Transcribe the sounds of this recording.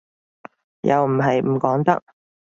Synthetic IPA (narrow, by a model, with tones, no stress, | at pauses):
jɐ̰˨˧wm̩˨˩ɦɐ˨jm̩˨˩kɔː˨˥ŋt̪ɐ̰˥k̚